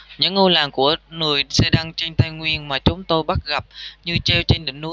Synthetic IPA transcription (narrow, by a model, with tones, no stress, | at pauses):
ɲɨ̰˧˥ŋʔo˧laː˨˩ŋku˧˩əŋɨ˨˩əjsɛ̰˧˥ɗa˧ŋt͡ɕə˧jŋ̟t̪ʰa˧jŋwi˧ənmaː˨˩t͡ɕʊ˨˦ŋ͡mt̪o˧jɓa˦˥t̚ɣa˨˩p̚ɲɨ˧t͡ɕe˧wt͡ɕe˧ŋɗḭ˧˩˨ŋnṵ˧˥˦